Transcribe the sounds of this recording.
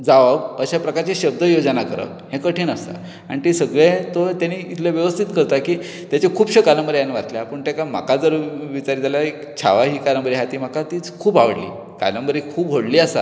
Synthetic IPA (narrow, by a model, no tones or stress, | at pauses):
d͡zaʋəɡəɕapɾəkaɾt͡ɕeɕəb̚d̪əjod͡ʑənakəɾə̰k̪hẽkəʈʰiːnəst̪a̰ | aɽ̃it̪isəɡɭet̪ot̪janiːit̪ʰleʋjəʋəst̪ʰit̪kəɾt̪akiː | t̪jat͡ɕekʰuːpɕəkaləmbəɾjanːaʋat̪ljaːpəɳt̪akam̤a̰kad͡zəɾʋit͡ɕaɾid͡zʱalaekt͡ɕʰa̰ʋaɦiːkaləmbəɾiɦat̪iːm̤akat̪iːt͡skʰuːbaʋəɽlḭː | ka̰ləmbəɾikʰuːb̚ɦoɽliːasa